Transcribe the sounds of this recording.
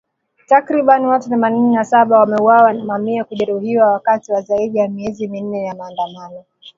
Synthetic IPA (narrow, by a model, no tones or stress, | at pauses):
takɾiɓaniwatuθɛman̩nɛnasaɓawamɛuwawamamiakuʄɛɾuhiwawakatiwazaiɗijamiɛzimin̩nɛjamaːndamanɔ